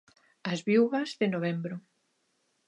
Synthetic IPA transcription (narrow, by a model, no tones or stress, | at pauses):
ɐzβiwɣɐzðɪnoβ̞ɛmbɾʊ